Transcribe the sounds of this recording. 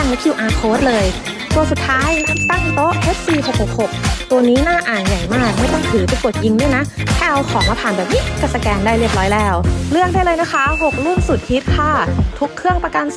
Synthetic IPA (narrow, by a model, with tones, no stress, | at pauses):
a˥˩nwa˦˥˩kʰi˧wʔaː˧pʰoː˦˥t̪̚lɤː˧j | t̪u˧əsu˨˩t̪ʰːaː˦˥jla˦˥t̪a˥˩ŋt̪o˦˥ʔʔʰe˦˥t̪̚siː˧˩hʰo˨˩ho˨˩k̚ho˨˩k̚t̪u˧ɐniː˦˥naː˥˩ʔaː˨˩nja˨˩jmaː˥˩k̚mɯ˥˩ət̪ɔ˥˩ŋt̪ʰɯː˩˦pɛ˧˩ku˨˩ət̪̚ji˧ŋdu˥˩əna˦˥t̪ʰɛː˥˧˩ʔa˧wkʰɔː˩˦ŋmaː˧pʰaː˨˩nbɛː˨˩p̚ʔi˦˥ka˧˩t̪̚sa˧kɛː˧ndaː˥˩jɾɯ˥˩əp̚ɾɔː˦˥jlɛː˦˥wlɯ˥˩ək̚daː˥˩jlɤː˧jna˦˥kʰa˦˥ɦo˨˩k̚lu˥˩nsu˨˩t̪̚hi˦˥t̪̚kʰa˥˩t̪ʰu˦˥kʰːɯ˥˩əŋpɾa˧ka˧n